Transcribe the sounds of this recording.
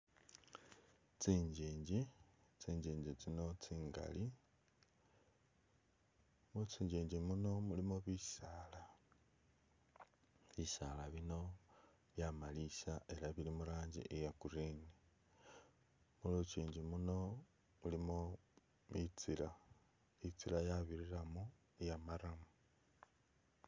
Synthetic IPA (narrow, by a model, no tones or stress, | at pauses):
t͡siːɲɟiːɲɟit͡siːɲɟiːɲɟit͡sino̞t͡siːŋɡa̰li | mut͡siːɲɟiːɲɟimuno̞mulimoβisaːla | βisalaβino̞ | βjamalisae̞ɾaβilimuɾaːɲɟḭʔejakuɾini | mulut͡ʃiːɲɟimuno̞ | mulimo | mit͡siɾa | it͡silajaβiɾiɾamo | ejamaɾamu